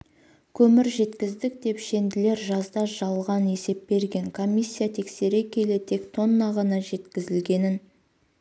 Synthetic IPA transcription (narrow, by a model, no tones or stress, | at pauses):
kʲʰɵmɪɾʒe̞t̪kʲɪzd̪ɪk̚d̪e̞pʃe̞nd̪ɪle̞ɾʒɑzd̪ɑʒ̥ɑlˠlˠʁɑne̞se̞p̚be̞ɾɡʲe̞ŋkʰo̞mʲːijsʲːijat̪ʰe̞kse̞ɾekʲʰe̞lɪt̪ʰe̞kt̪ʰo̞nːɑʁɑnɑʒe̞t̪kʲɪzɪlɡʲe̞nɪn